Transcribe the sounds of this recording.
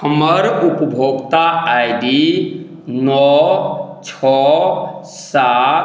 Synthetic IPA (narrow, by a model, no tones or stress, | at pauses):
əməɾupəbʱoɡt̪aajɖi | nɔ | t͡ʃʰɔ | sa